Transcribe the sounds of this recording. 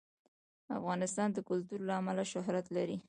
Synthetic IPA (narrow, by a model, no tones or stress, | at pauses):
a̰fɣɑnɪst̪ɑnd̪əkʊlt̪uɾlaːmalaʃʊɦɾat̪laɾi